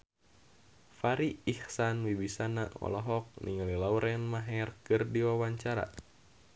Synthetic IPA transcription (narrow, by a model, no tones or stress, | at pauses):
faɾiːhsanwibisanaɔ̰lɔɦɔk̚nʔḭŋalilauɾʔɛnmaɦɛrkɨrdiwawaɲt͡ʃaɾa̰